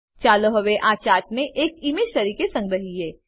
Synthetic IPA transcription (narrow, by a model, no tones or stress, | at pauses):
t͡ʃaːloɦɐʋeʔaːt͡ʃaːʈ̚neʔeːkimed͡ʒt̪ɐɾiːkesɐ̃ŋɡɾɐɦiɦeː